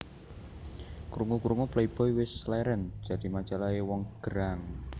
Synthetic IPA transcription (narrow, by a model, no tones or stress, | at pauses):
kɾuŋɔkuɾuŋɔpleib̥ɔiwɪslɛɾɛnd̥d͡ʒ̥ä̤d̪̥i̤mat͡ʃalaewɔŋɡ̥əɾaŋ